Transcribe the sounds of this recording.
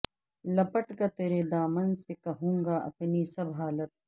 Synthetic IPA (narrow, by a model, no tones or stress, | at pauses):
lɐpɐʈɡat̪eːɾed̪aːmɐnsekɐɦũːŋɡaʔɐ̰pnisɐbɦaːlɐt̪̚